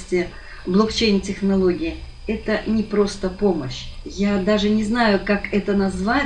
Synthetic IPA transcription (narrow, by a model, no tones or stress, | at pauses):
sʲtʲɪ | blˠokt͡ɕejnʲtʲɪxnɐlˠo̞ɡʲɪɪ | ɛt̪ənʲɪpɾo̞st̪əpo̞məɕjad̪aʐɨnʲɪznajʊkakɛt̪ənɐzva